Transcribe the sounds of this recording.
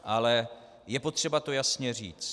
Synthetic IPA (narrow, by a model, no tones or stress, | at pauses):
ʔalɛ | jɛpo̞t̪r̝̥ɛbat̪o̞jasɲɛrḭːt͡s